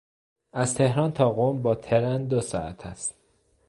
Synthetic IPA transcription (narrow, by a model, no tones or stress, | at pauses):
æzt̪ʰe̞hɾɒːnt̪ʰɒːɣombɒːt̪ʰeɾænd̪osɒ̰ːæ̰t̪ʰæst̪